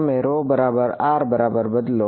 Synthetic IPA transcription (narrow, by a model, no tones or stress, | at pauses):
meːɾoːbɐɾaːbəɾaːɾbɐɾaːbəɾbɐd̪lo